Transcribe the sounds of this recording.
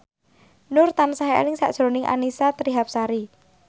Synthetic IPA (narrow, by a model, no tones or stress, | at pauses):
nʊrt̪ansaɦeḛlɪŋsa̰ʔd̥ʒ̥ɾonɪŋʔa̰nisat̪əɾiɦap̚saɾi